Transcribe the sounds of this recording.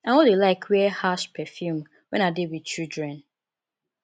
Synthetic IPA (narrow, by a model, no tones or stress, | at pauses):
ãnwɔdelaɪkʰwiɛhaʃpʰɛfjum | wɛ̃nadewit͡ʃildɹɛ̃n